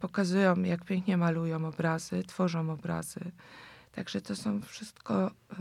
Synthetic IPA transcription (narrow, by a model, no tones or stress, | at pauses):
pɔkazujɔ̃w̃jakpʲjɛŋkɲɛmalujɔ̃w̃ɔbɾazɘt̪fɔʐɔ̃w̃ɔbɾa̰z̥ɘ̰t̪aɡʐɛt̪ɔsɔ̃w̃fʂɘst̪kɔ